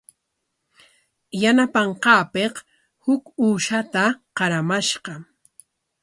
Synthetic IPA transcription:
janapɑɴqɑːpeq | hʊkuːʃat̪aqɑɾamaʃɢɑ

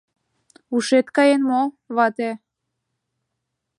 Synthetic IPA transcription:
uʃet̪kɑjenmo | βɑt̪e

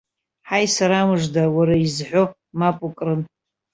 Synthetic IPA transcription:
ħajsaɾamɨʐdawaɾaizħʷᶣo | mapʼukʼrɨn

